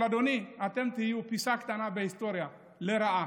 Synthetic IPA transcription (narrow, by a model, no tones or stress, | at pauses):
adoniat̪ɛmt̪ijiupisakt̪anabɛist̪ɔɾja | lɛɾaa